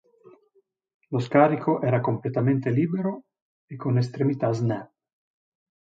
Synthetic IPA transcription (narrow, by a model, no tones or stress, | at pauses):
loskaɾikʰoʔɛɾakomplet̪ament̪eliːbeɾo | ekonest̪ɾemit̪aznɛ